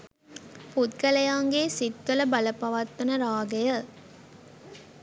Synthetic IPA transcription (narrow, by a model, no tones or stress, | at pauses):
put̪̚kɐlɐjaːŋɡeːsit̪ʋɐləbɐləpɐʋɐt̪ːɐnəɾaːɡɐjə